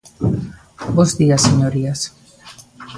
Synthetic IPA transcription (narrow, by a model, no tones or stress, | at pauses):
ɔsd̪iasɛɲɔɾias